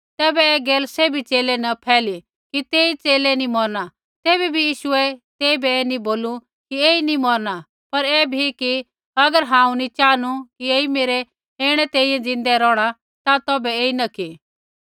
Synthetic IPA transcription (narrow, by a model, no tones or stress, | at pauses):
t̪ɛːbɛɛːɡeːlseːbʱit͡seːlɛnɐpʰɛːli | kit̪eːit͡seːlɛnĩmɔɾna | t̪eːbibʱijiːʃʊɛt̪eːibɛːnĩboːlu | kieːinĩmɔɾna | pɐɾɛbʱiki | ɐɡəɾɦãːũnĩt͡ʃaːnukieːimeːɾɛ | eːɽ̃ɛt̪ẽːĩːɛ̃d͡zɪ̃nd̪ɛɾɔːɽ̃a | t̪at̪ɔːbɛeːinɐki